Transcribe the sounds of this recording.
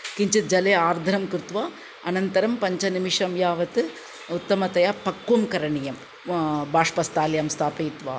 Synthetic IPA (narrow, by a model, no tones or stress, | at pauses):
kɪɲt͡ʃɐt̪̚d͡ʒɐleːaːɾd̪ʱɐɾɐmkɪɾt̪ʋaː | ɐnɐnt̪ɐɾɐmpɐɲt͡ʃɐnɪmɪʂɐmjaːʋɐt̪ɯ | ʊt̪ːɐmɐt̪ɐjaːpɐkːumkɐɾɐɳijɐm | baːʂpɐst̪aːljaːmst̪ʰaːpɐit̪ʋa̰ː